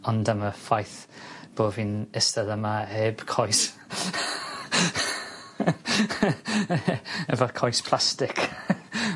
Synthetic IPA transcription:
ɔndəməfajθb̥oːvinɪstəðəmaeːb̥kʰɔjs | ɛvɔkʰɔjspʰl̥ˠastɪkʰ

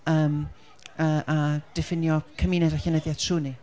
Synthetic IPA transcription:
əːm | əʔad̥ɛfɪnjɔkʰəminɛdaçənəðjḁtʰruːni

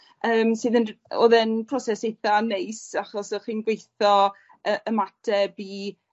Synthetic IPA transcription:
əːmsɨːðənɔ̰ːðɛnpʰrɔsɛsejθanejsaχɔsəχiːnɡwejθɔ | əʔəmatʰɛbiː

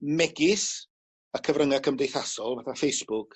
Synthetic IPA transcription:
mɛɡɪs | akʰəvrəŋakʰəmdejθasɔlˠvaθafejsb̥ʊkʰ

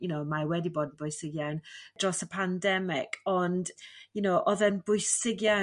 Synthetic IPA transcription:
jʊnowmawɛdiboːdn̩bʊjsɪɡjawnd̥rɔsəpʰandɛmɪkʰɔndjʊnowʔɔðɛnbʊɨsɪɡja

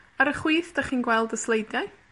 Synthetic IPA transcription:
aɾəχwiːθd̥aχiːnɡwɛlˠdəslˠejdjaɨ

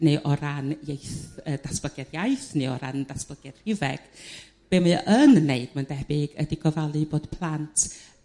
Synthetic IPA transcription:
nɨʔɔɾanjejθəd̥asb̥ləɡɛdjajθnɨɔ̰ɾa̰nd̥asb̥ləɡ̥ɛd̥r̥ɪvɛɡ̥ | b̥emɨʔənːeɨd̥̚mandɛbɪɡə̰diɡɔvalˠɨboːd̥pʰlˠantʰ

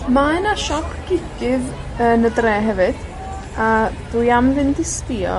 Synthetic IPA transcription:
maɛnaʃɔpʰɡ̥ɪɡɪð | ənədrɛːɦɛvɨd̥ | ad̥uːjamðɪndɪspiɔ̰

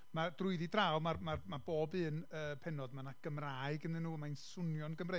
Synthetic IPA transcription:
madrʊɨðidrawmarmarmaboːbɨːnəpʰɛnɔdmanaɡ̥əmraːɨɡənðɨnːuːmaɨnsʊnjɔnɡəmre

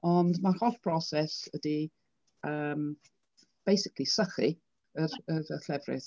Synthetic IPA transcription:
ɔndmarhɔdpʰrɔsɛsədi | əːm | b̥ejsɪkʰlˠisəχi | ərəðəɬlɛvrɪ̰ð

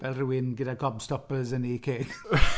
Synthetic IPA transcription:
vɛlˠruwɪnɡɪdaɡʰɔbstɔpəzənikʰeːɡ̥

